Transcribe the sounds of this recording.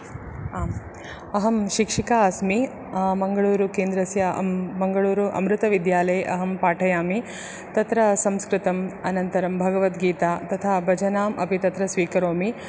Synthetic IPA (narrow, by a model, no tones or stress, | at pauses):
ɐɦɐmʃikʂikaːɐsmi | mɐŋɡɐɭuːɾukeːnd̪ɾɐsjɐ̰ɐŋɡɐɭuːɾuʔɐ̰mɾut̪ɐʋid̪jaːlɐjʔɐɦɐmpaːʈʰɐjaːmi | t̪ɐt̪ɾɐsɐmskɾɪt̪ɐmɐnɐnt̪ɐɾɐmbʱɐɡɐʋɐt̪ɡiːt̪aːt̪ɐt̪ʰaːbɐd͡ʒɐnaːmʔɐ̰pit̪ɐt̪ɾɐsʋiːkɐɾoːmi